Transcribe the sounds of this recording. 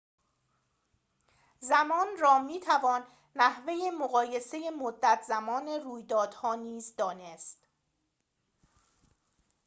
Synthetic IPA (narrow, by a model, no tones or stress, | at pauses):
zæmɒːnrɒːmiːt̪ʰævɒːnː | æhve̞jemoɣɒːje̞se̞je̞mod̪ːæt̪ʰzæmɒːne̞ruːjd̪ɒːd̪̥hɒːniːzd̪ɒːne̞st̪